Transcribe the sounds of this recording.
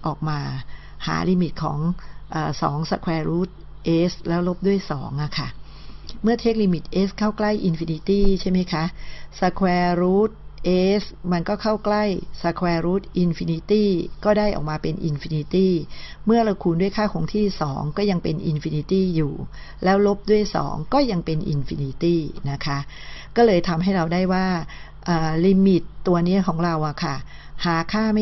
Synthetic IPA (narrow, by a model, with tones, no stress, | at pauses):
ʔɔː˨˩k̚maː˧ | ha̰ː˩˦liː˧mi˨˩t̪̚kʰɔ̰ː˩˦ŋʔɤː˨˩sɔ̰ː˩˦ŋsa˧kʰwɛː˧ɾuː˦˥t̪̚ | ʔe˦˥slɛː˦˥wlo˦˥p̚du˥˩əjsɔː˩˦ŋʔa˨˩kʰa˥˩ | mɯ˥˩ɐt̪ʰeː˦˥k̚liː˧mi˨˩t̪̚ʔeː˦˥skʰaː˥˩wkla˥˩jʔi˧nfiː˧ni˧˥t̪iː˥˩t͡ɕʰa˥˩jma˦˥jkʰa˦˥ʔsa˧kʰwɛː˧ɾuː˦˥t̪̚ʔeː˦˥sma˧nkɔː˥˩kʰa˥˩wkla˥˩jsa˧kʰwɛː˧ɾuː˦˥t̪̚ʔi˧nfi˧ni˧˥t̪iː˥˩kɔː˥˩daː˥˩jʔɔ̰ː˨˩k̚maː˧pe˧nʔi˧nfiː˧ni˧˥t̪iː˥˩mɯ˥˩ɐɾa˧wkʰuː˧ndu˥˩əjkʰaː˥˩kʰɔː˩˦ŋt̪ʰiː˥˩sɔ̰ː˩˦ŋkɔː˥˩ja˧ŋpe˧nʔi˧nfi˧ni˧t̪iː˥˩juː˨˩ | lɛː˦˥wlo˦˥p̚du˥˩əjsɔ̰ː˩˦ŋkɔː˥˩ja˧ŋpe˧nʔḭ˧nfḭ˧ni˧˥t̪iː˥˩na˦˥kʰa˦˥ʔkɔː˥˩lɤː˧jt̪ʰa˧mɦa˥˩jɾa˧wdaː˥˩jwaː˥˩ | ʔɤː˨˩li˧mi˨˩t̪ːu˧ɐni˦˥ɐkʰɔː˩˦ŋɾa˧wʔa˨˩kʰa˥˩ | haː˨˩˦kʰaː˥˩ma˥